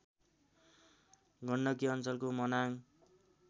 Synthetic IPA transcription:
ɡʱʌɳɖʌk̬iʌnt͡sʌlkomʌnaŋ

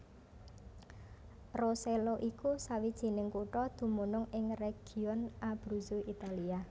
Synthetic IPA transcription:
roseloʔikusawid̥ʒ̥i̤nɪŋkuʈɔd̪̥ṳmunʊŋɪŋreɡ̥i̤ɔnʔab̥ɾuzuit̪alia

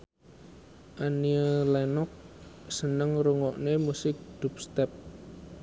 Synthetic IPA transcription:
ʔaniəlɛnɔk̚ | sənəŋɾuŋɔʔnemusɪk̚d̪̥up̚st̪ɛp̚

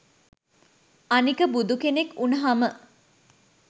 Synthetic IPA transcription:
anikəbud̪ukenekunɐɦamə

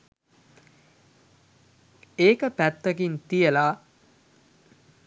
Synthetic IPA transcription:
eːkəpæt̪ːɐɡint̪ijəlaː

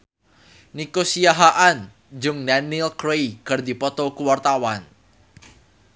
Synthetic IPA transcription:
nikosijaɦaʔan | d͡ʒʊŋdanilkɾejkɨrd̪ipɔt̪ɔkuwart̪awan

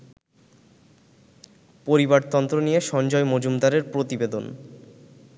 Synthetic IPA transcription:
poɾibaɾt̪ɔnt̪ɾonijeʃɔnd͡ʑɔemod͡ʑumd̪aɾeɾpɾot̪ibed̪on

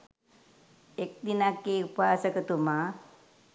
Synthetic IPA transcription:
ek̚d̪inakːeupaːsəkət̪uma

